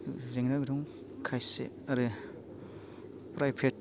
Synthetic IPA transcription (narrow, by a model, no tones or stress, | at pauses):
zeŋnabiɾɔŋ | kʰajsḛ | ɐɾɯ | pɾajpʰet̚